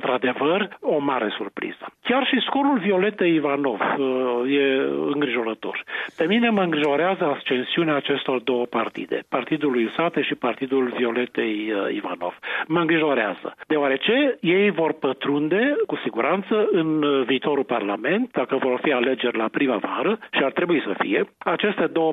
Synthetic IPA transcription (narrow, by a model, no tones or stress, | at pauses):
nt̪ɾad̪e̞vəro̞maɾe̞surpɾḭz̥əkʲarʃisko̞ɾulvio̞le̞t̪̚ːejivano̞vje̞ɨ̰ŋɡɾiʒo̞ɾət̪o̞̰rpe̞mine̞məɨŋɡɾiʒo̞ɾeazəast͡ʃe̞nsiuneaːt͡ʃe̞st̪o̞rd̪o̞wəpart̪ḭd̪e̞̰part̪id̪ulujsat̪eʃipart̪id̪ulvio̞le̞t̪ejḭva̰no̞̰v̥məɨŋɡɾiʒo̞ɾea̰z̥ə̰d̪eoaɾe̞t͡ʃe̞je̞jvo̞rpət̪ɾund̪e̞kusiɡuɾʔant̪səɨnviːt̪o̞ɾulparlame̞nt̪̚d̪akəvo̞rfiale̞d͡ʒe̞rʲlapɾiməvaɾəʃiart̪ɾe̞buisəfḭje̞at͡ʃe̞st̪e̞d̪o̞wə